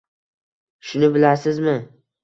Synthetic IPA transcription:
ʃʊnɪbɪlaɾsɪzmɪ

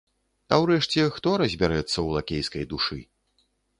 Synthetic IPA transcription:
ɐwɾɛʂt͡sʲɛxt̪ɔɾɐzʲbʲaɾɛt̪sːɐwlˠakʲejskɐjd̪uʂɨ̰

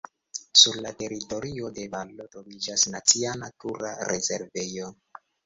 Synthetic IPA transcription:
suɾlate̞ɾito̞ɾio̞de̞valːotɾo̞vid͡ʒasnat͡sianatuɾa̰ɾe̞ze̞̰ɾve̞jo̞

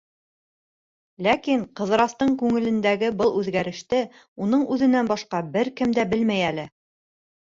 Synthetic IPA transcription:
lækiɴqɤ̆ðɾɑst̪ɤɴkʉŋɘ̆lɘ̆nd̪æɡɘbɤlˠʉðɡæɾɘ̆ʃt̪ɘ | unɤɴʉðɘ̆nænbɑʃqɑbɘɾkɘmd̪æbɘlmæjælɘ

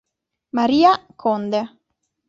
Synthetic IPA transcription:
maɾiːakʰɔnd̪e

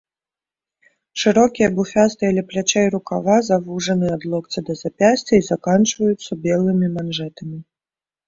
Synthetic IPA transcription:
ʂɨɾɔkʲijɐbufʲast̪ɨɐlʲɛplʲat͡ʃɛjɾukavazavuʐɐnɨad̪lˠɔkt̪t͡sʲɐd̪ɐzapʲasʲt͡sʲɐizakant͡ʂvɐjut̪sːɐbʲɛlˠɨmʲimanʐɛt̪ɐmʲi

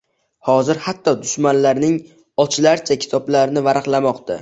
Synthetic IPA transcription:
hɒzɪɾhat̪ʰːɒd̪ʊʃmanlaɾnɪŋ | ɒt͡ʃʰɪlaɾt͡ʃʰakʲʰɪ̥t̪ʰɒblaɾɪnɪvaɾɨqlˠamɒqt̪ʰa̰

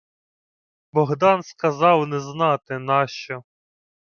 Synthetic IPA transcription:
bɔɦd̪ɑnskɐzɑwnɛznɑt̪ɪnɑʃt͡ʃɔ

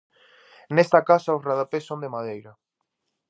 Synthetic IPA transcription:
nest̪ɐkasɐʊsraðapesːõnd̪emaðejɾɐ

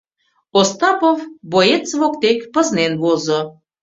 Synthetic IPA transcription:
ost̪ɑpovbojet͡səβokt̪ekpəznenβozo

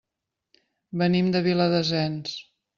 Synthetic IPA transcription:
bənimd̪əβiləðəzɛns

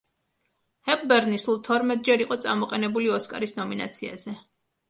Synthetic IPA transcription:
hɛp̚bɛɾnisulˠt̪ʰɔɾmɛt̪̚ʼd͡ʒɛɾiqʼɔt̪sʼamɔqʼɛnɛbuliɔskʼa̰ɾisnɔmina̰t̪sʰia̰zɛ

